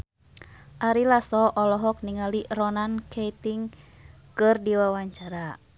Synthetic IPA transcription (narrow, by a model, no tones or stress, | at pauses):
ʔaɾilasɔʔɔlɔɦɔk̚niŋalirɔnankʰejt̪iŋkɨrdiwawaɲt͡ʃaɾa